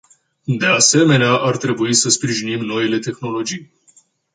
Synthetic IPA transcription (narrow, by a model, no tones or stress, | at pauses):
d̪e̞ase̞me̞neaʔart̪ɾe̞buisəspɾiʒinimno̞ile̞t̪e̞xno̞lo̞d͡ʒij